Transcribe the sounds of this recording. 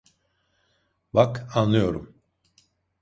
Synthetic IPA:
bakanlˠɯjo̞ɾṵm

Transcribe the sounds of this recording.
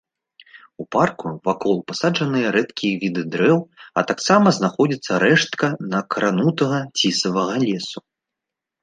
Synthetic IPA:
uparkuvakɔlˠpasaʐɐnɨjɐɾɛt̪kʲijvʲid̪ɨd̪ɾɛwɐ̰t̪aksamɐznaxɔd͡zʲit̪sːɐɾɛʂt̪kɐnɐkɾʔanut̪ɐɣɐt͡sʲisɐvɐɣɐlʲɛsu

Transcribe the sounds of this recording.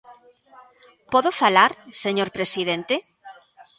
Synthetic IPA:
pɔðʊfalaɾseɲoɾpɾesiðent̪e

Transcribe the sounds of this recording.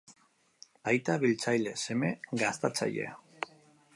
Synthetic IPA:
ajt̪aβilt͡sajle̞se̞me̞ɡast̪at͡sa̰ʎḛa

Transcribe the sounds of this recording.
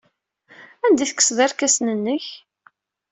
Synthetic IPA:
ænd̪iθəkːə̥sðˤæɾkæsnənːəç

